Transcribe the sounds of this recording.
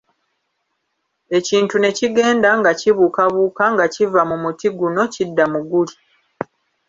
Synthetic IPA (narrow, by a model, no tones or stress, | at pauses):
e̞ciːntune̞ciɡe̞ːndaŋɡaciβuːkaβuːkaŋɡacivamumutiɡuno̞cidːamuɡuli